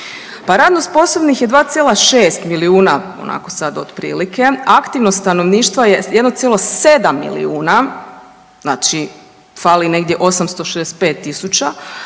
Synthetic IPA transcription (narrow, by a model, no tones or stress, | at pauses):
paɾaːd̪nost̪po̞sobnixjed̪ʋaːt̪sjelaʃe̞ːst̪miliuːnao̰nʔa̰ko̞sad̪od̪̥pɾḭːlikʰe̞akt̪iʋnost̪ano̞ʋniːʃt̪ʋajejed̪not̪sjelˠose̞d̪amːḭlḭuːna | znaːt͡ʃi | faline̞ɡd̪je̞ʔo̞samst̪o̞ʃed̪ese̥t̪̚peːt̪ːisut͡ʃa